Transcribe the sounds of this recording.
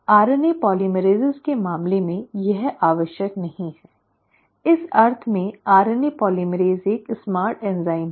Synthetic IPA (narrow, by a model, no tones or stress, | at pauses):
aːɾənepɔːliːmɾeːzɪzkemaːmlemẽjɐɦaːʋəʃjəknɐɦĩɦɛː | ɪsɐɾt̪ʰmẽaːɾənepɔːliməɾeːzeːksmaːɾʈɛ̃ːnzaːɪm